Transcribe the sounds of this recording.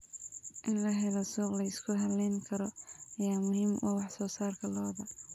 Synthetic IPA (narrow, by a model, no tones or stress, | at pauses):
ʔɪnlɐɦɛlɔsuːqlɐɪskʰʊɦɐlɛŋkʰɐɾɔɐjaːmʊɦiːmwʔɑwɑħsɔːsaːrkʰɐlɔːðɐ